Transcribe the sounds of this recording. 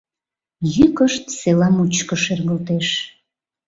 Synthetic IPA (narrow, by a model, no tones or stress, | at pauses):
jykəʃt̪selɑmut͡ɕkəʃerɣəlt̪eʃ